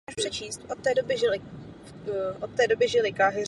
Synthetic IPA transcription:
aʃpr̥ɛt͡ʃiːst̪ʔot̪t̪ɛːdobɪʒɪlɪ | ʔot̪t̪ːɛːdo̞bɪʒɪlɪkaɦɪ

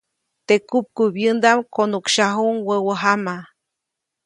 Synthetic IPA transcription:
t̪ekup̚kubjənd̪amkonukʃaɦuŋwəwəɦama

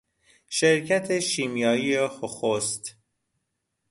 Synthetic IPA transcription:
ʃe̞ɾcʰæt̪ʰe̞ʃiːmjɒːijehoxost̪

